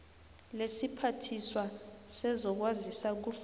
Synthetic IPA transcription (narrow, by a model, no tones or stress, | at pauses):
lesipʰatʰiswasɛzɔk̬wazisak̬uf